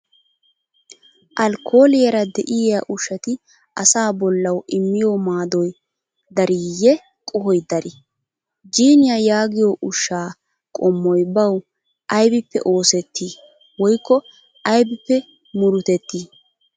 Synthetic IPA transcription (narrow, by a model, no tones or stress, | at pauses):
ʔɐlkʰoːlɪjɐɾɐd̪ɛʔɪjaʔʊʃːɐt̪ɪ | ɐsaːbɔlːɐwɪmːɪjomaːd̪ɔj | d̪ɐɾiːjːɛ | kʼɔhɔjd̪ɐɾɪ | d͡ʒiːnɪjajaːɡɪjoʔʊʃːaː | kʼɔmːɔjbɐw | ʔɐjbɪpːɛ̰ʔo̞ːsɛt̪ːi | wɔjkːɔ | ʔɐjbɪpːɛ | mʊɾʊt̪ɛt̪ːiː